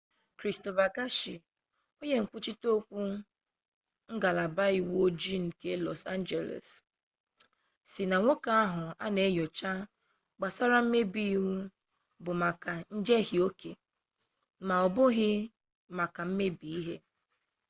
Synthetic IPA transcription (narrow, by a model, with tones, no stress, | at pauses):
kɾi˨sto˨fa˨ka˦ʃi˨ | o˦ɲe˦ŋ̩˨kʷu˦t͡ʃi˦to˦kʷu˦ | ŋ̩˦ɡa˨la˨ba˦i˨wo˦d͡ʒi˦ŋ̩˨ke˦lɔ˨sa˦nd͡ʒe˨lḛ˨s | si˨na˨ŋʷo˦ka˦a˦ɦʊ˨a̰˦ne˨˦jɔ˨t͡ʃa˦ | ɡ͡ba˨sa˦ɾa˦m̩˦me˦bi˦i˦wu˦ | bʊ˨ma˨ka˨n̩˦d͡ʒe˦hi˨o˦ke˨ | ma˨ɔ˨bʊ˦ɣɪ˦ | ma˨ka˨m̩˦me˦bi˨i˦ɦe˦